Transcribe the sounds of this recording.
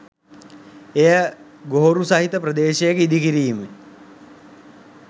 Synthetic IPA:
ejə | ɡoɦoɾusɐɦit̪əpɾɐd̪eːʃejekəid̪ikiɾiːme

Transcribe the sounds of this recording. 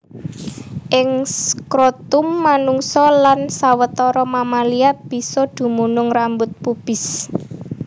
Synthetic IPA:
ʔɪŋskɾot̪ʊmːanuŋsɔlansawət̪ɔɾɔmamaliab̥i̤sɔd̪̥ṳmunʊŋrambʊt̪̚pub̥ɪ̤s

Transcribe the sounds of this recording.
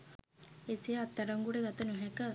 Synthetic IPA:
esijəːt̪ːaɾɐŋɡuɽeɡat̪ənuɦɛkə

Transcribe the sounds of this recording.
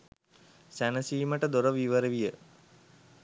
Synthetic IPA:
sænəsiːməʈəd̪oɾəʋiʋəɾəʋijə

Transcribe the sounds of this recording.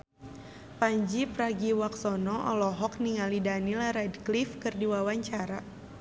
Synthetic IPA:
paɲd͡ʒipɾaɡiwak̚sɔnɔʔɔ̰lɔɦɔk̚niŋalidanilaɾɛdklifkɨrdiwawaɲt͡ʃaɾa

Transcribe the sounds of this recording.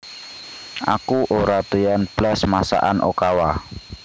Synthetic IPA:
a̰kuʔoɾat̪ujanb̥lasmasa̰ʔa̰nʔo̰kawa

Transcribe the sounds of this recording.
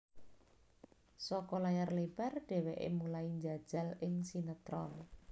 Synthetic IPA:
sɔkɔlajarleb̥a̤rɖ̥ɛ̤wɛʔḛmulaiɲd͡ʒad̥ʒ̥a̤lɪŋsinət̪ɾɔn

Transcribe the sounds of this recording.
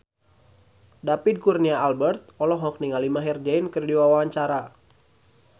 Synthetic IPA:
dapid̚kurniaːlbɛrt̪̚ɔlɔɦɔk̚niŋalimaɦird͡ʒainkɨrdiwawawaɲt͡ʃaɾa

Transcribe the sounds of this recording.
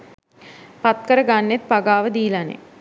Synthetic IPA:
pat̪kəɾəɡanːet̪̚paɡaːʋəd̪iːlanḛ

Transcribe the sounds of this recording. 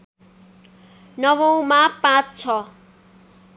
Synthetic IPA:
nʌwʌ̃w̃mapãt͡st͡sʰʌ

